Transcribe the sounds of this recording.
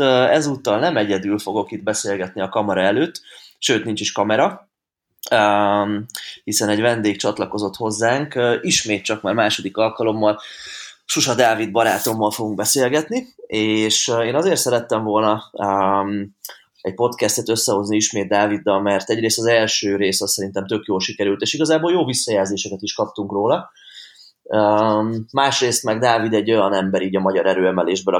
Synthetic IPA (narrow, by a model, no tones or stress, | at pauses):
ɛzut̪ːɒlnɛmɛɟɛd̪ylfo̞ɡo̞kid̪̚bɛseːlɡɛt̪niɒkɒmɒɾɒɛløːt̪ːʃøːt̪nint͡ʃiʃkɒmɛɾɒ | ø | hisɛnɛɟvɛnd̪eːkt͡ʃɒt̪lɒko̞zo̞t̪ho̞zːaːŋkːiʃmeːt̪̚t͡ʃɒkmaːrmaːʃo̞d̪ikɒlkɒlo̞mːɒl | ʃuʃɒd̪aːvid̪̚bɒɾaːt̪o̞mːɒlfoɡuŋɡ̚bɛseːlɡɛt̪nieːʃeːnɒzeːrt̪sɛɾɛt̪ːɛɱvo̞lnɒøm | ɛɟ̚po̞t̪kɛst̪ɛt̪ø̞sːɛɦo̞zniiʃmeːd̪̚ːaːvid̪ːɒlmɛrt̪ɛɟɾeːst̪ɒzɛlʃøːɾeːsɒsːɛɾint̪ɛmt̪ø̞kjoːlʃikɛɾylt̪eːʃiɡɒzaːboljoːvisːɒjɛlzeːʃɛkɛt̪iʃkɒp̚t̪uŋkroːlɒ | øː | aːʃreːst̪mɛɡd̪aːvid̪ɛɟːo̞jɒnɛmbɛɾiːɟɒmɒɟɒɾɛɾøːɛmɛleːʒbølɒ